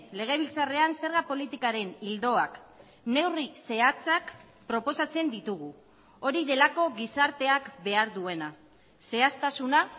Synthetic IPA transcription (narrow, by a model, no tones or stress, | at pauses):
le̞ɣ̞e̞β̞ilt͡sare̞anse̞ɾɣapo̞lit̪ikaɾe̞nild̪o̞ak | ne̞wrise̞at͡sak | pɾo̞po̞sat͡se̞nd̪it̪uɣ̞u | o̞ɾiðe̞lako̞ɣisaɾt̪e̞akbe̞aɾðue̞na | se̞ast̪asuna